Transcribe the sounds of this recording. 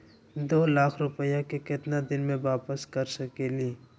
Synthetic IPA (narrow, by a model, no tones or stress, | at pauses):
d̪oːlaːkʰɾʊpəjakekɪt̪nad̪ɪnmẽʋaːpəskɐɾsɐkeːliː